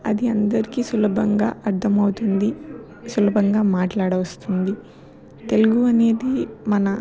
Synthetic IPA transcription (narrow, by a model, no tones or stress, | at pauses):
ɐd̪iɐnd̪ɐɾikiːsulɐbʱɐŋɡa̰ːʔɐɾd̪ʱɐmɐwut̪und̪i | sulɐbʱɐŋɡaːmaːʈlaːɽɐʋɐst̪und̪i | t̪e̞luɡuɐne̞ːd̪imɐnɐ